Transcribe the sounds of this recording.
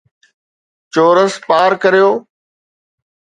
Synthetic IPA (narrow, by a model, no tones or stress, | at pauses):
t͡ɕoːɾəspaːɾkəɾijoː